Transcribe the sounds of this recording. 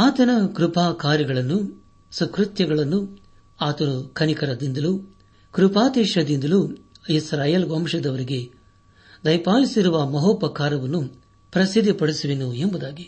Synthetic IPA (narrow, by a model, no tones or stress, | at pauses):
aːt̪ɐnɐkɾupaːkaːɾjɐɡɐɭɐnːu | sɐkɾut̪jɐɡɐɭɐnːu | aːt̪ɐnukʰɐnikɐɾɐd̪ind̪ɐlu | kɾupaːt̪eːʃɐd̪ind̪ɐlu | isɾaːjɐlɡomʂɐd̪ɐʋɐɾiɡe̞ | d̪ɐjpaːlisiɾuʋɐmɐɦoːpɐkaːɾɐʋɐnːu | pɾɐsid̪ʱːipɐɽisuʋinuembud̪aːɡi